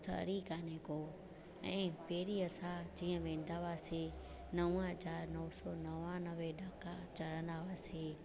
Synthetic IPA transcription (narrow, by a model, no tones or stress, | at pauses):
t̪ʰɐ̰ɾikaːneko | ɛ̃ːpɛːɾiɐsãd͡ʑiːə̃ʋẽːn̆d̪aʋaːse | nɐʋə̃ɦɐzaːɾnɔːsɔːnɐʋãnɐʋeɖaːkat͡ɕɐɾə̃nd̪aʋaːseː